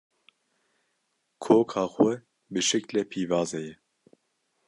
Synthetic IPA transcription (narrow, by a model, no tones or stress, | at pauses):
kʰoːkʰɑːxɛ | bɨʃɨklɛpʰiːvɑːzɛjɛ